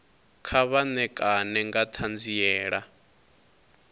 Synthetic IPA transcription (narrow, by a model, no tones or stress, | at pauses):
kʰaβanɛkʼanɛŋɡat̪ʰand͡zijɛːɺa